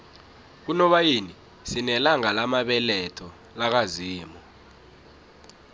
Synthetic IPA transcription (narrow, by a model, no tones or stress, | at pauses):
k̬unɔɓajini | sinɛlaŋalamaɓɛlɛtʰɔ | lak̬aziːmɔ